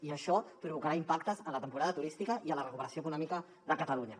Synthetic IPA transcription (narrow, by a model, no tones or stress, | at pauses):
iəʃɔpɾuβukəɾaimpakt̪əzənlət̪əmpuɾaðət̪uɾist̪ikəʔiənlərəkupəɾəsioəkunɔmikə | ðəkət̪əluɲə